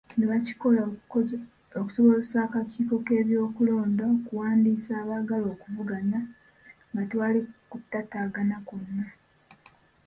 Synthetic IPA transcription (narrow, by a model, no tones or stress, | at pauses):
neβaci̥kola | oku̥so̞βo̞zesaːkaciːko̞ke̞ːβjo̞ːkulo̞ːndaokuwaːndiːsaːβaɡalo̞ːkuvuɡana | ŋɡatwalikutːataːɡanakunːa